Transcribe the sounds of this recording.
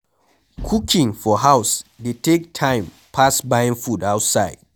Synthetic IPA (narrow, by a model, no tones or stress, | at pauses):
kʰukĩŋfɔɦawsdetʰek̚tʰãɪ̃m | pʰasbãj̃nfudaʊtsaɪd̥